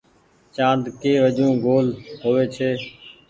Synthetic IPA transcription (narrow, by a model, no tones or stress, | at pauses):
t͡ʃãːnd̪keːʋəʄũːɡoːlɦoːʋeːt͡ʃʰeː